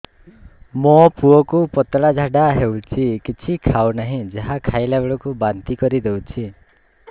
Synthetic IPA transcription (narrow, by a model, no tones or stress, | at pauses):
mopuɔkupɔt̪ɽad͡ʒʱaɖaɦewt͡ʃʰikit͡ʃʰikʰawnaɦĩd͡ʒaɦakʰajlabeɭɔkubant̪ikɔɾid̪ewt͡ʃʰi